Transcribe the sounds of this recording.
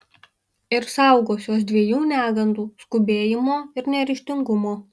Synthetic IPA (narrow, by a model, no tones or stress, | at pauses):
ɪɾsɐˑʊɡoːsʲoːsd̪ʲʋʲiɛjuːnʲæːɡɐnd̪uːskʊbʲeːjɪmoːɪɾnʲɛɾʲɪʃʲt̪ʲɪŋɡʊmoː